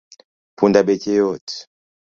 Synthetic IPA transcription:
pʰundabɛcejɔt

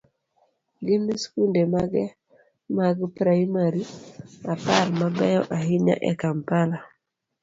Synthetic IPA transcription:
ɡɪnːiskundemaɡɛ | maɡpɾaimaɾiaparmabɛjɔʔaɦɪɲa̰ʔɛkampala

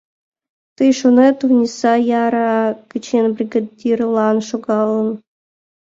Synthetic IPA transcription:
t̪ɯjʂunet̪uvnʲisɑjɑɾɑkɘ̆t͡ɕenbrʲiɡadʲirlˠɑnʃuɡɑlˠɤ̆n

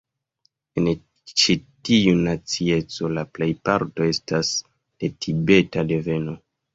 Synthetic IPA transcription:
en | t͡ʃitiunat͡sie̞t͡so̞laple̞jpaɾto̞e̞stas | d̥e̞tʰibe̞tade̞ve̞no̞

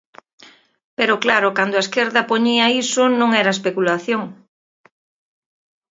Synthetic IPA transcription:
peɾʊklaɾʊkand̪oaeskeɾðɐpoɲiɐisʊnõŋɛɾɐespekulaθjoŋ

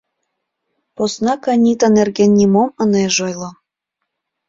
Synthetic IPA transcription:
posnɑkɑnʲit̪ɑnerɣenʲːimomɤneʒojlˠŏ

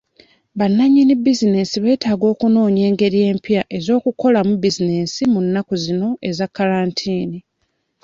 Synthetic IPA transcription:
βanːaɲinibizine̞siβe̞ːtaːɡo̞ːkuno̞ːɲe̞ːŋɡe̞ɾije̞ːmpjaʔe̞zo̞ːkuko̞lamubizine̞simunːakuzino̞ʔe̞zakːalaːntʰiːni

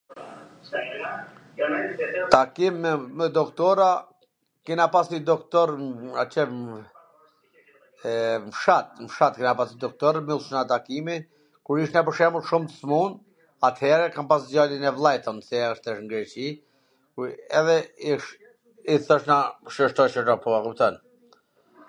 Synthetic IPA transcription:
t̪akimmɛd̪ɔkt̪ɔɾa | kinapasid̪ɔkt̪ɔɾat͡ʃɛ | mʃat̪̚mʃat̪̚kinapasnid̪ɔk̚t̪ɔɾmilˠʃnat̪akimi | kuɾiʃt̪napəʃɛməlʃumt̪əsmun | at̪hɛɾɛkampasd͡ʒalinɛvlˠɛjt̪ɔnsɛəʃt̪ɛəʃŋɡɾɛt͡ʃi | kuɛðɛiʃ | iθɔʃnaʃəʃt̪ɔt͡ʃət̪apɔakupt̪ɔn

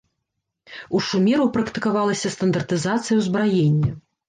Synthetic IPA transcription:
uʂumʲɛɾupɾɐkt̪ɨkavalˠɐsʲɐst̪ɐnd̪ɐrt̪ɨzat̪sɨjɐwzbɾajenʲːɐ

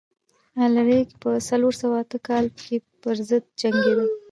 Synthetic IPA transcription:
alɾekpəsaloɾsawaat̪əkɑlkepəɾzəd̪̚d͡ʒaŋɡed̪i

